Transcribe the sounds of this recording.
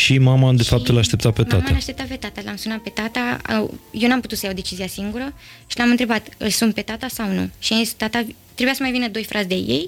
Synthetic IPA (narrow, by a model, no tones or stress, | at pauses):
ʃimamad̪e̞fap̚t̪ɨlaʃt̪e̞pt̪ape̞tmatmaəaʃt̪e̞p̚t̪ape̞t̪at̪alamsunat̪̚pe̞t̪at̪a̰jewnuamput̪ut̪səjawd̪e̞t͡ʃiziasiŋɡuɾəʃilamɨnt̪ɾe̞bat̪ɨ̰lsunt̪pe̞t̪at̪asawnṵʃianzist̪at̪a | t̪ɾebujasəmajvinəd̪o̞jfɾʔat̪sʲd̪eje̞̰j